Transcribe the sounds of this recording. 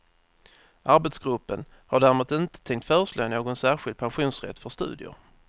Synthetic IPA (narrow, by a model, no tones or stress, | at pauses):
ʔaɾbɛt̪sɡɾɵpːən | haɖæːɾmuːt̪ɪnt̪ə̥t̪ʰɛŋkt̪fœːɾəʂlø̰ːnoːɡɔnsæːɾɧɪld̪̚pʰanɧuːnsɾɛ̰t̪ːfœʂt̪ʉ̟̰ːd̪ɪʊ̰ɾ